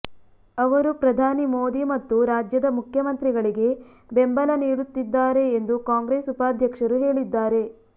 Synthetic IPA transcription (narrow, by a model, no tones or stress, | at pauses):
ɐʋɐɾupɾɐd̪ʱaːnimoːd̪imɐt̪ːuɾaːd͡ʒjɐd̪ɐmukʰjɐmɐnt̪ɾiɡɐɭiɡe̞ | bembɐlɐniːɾut̪ːid̪ːaːɾe̞ːnd̪ukaːŋɡɾeːsupaːd̪ʱjɐkʂɐɾuɦe̞ːɭid̪ːaːɾe̞